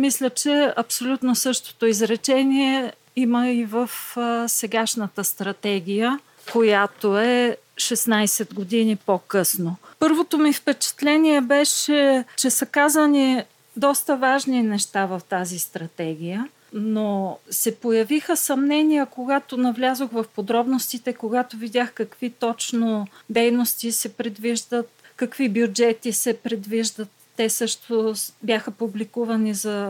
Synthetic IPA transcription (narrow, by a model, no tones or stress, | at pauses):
mislʲət͡ʃɛɐpsolʲut̪nosɤʃt̪o̥t̪oizɾɛt͡ʃɛniɛ | iməivəfsɛɡaʃnət̪əst̪ɾɐt̪ɛɡ̟ʲijə | kojat̪oɛ | ʃɛsnajsɛd̪ɡod̪inipokɤsnopɤɾvot̪omifpɛt͡ʃɛ̥t̪lɛniɛbɛʃɛt͡ʃɛsɐkazəni | d̪ɔst̪əvaʒninɛʃt̪avɐft̪azist̪ɾɐt̪ɛɡʲijə | nosɛpojɐvixəsɐmnɛnijəkoɡat̪onɐvlʲazoxvɐfpod̪ɾɔbnost̪it̪ɛkoɡat̪ovid̪ʲaxkɐkvit̪ɔt͡ʃnod̪ɛjnost̪isɛpɾɛd̪viʒd̪ət̪̚kɐkvibjud͡ʒɛt̪isɛpɾɛd̪viʒd̪ət̪ːɛsɤʃt̪objaxəpublikuvɐnizɐ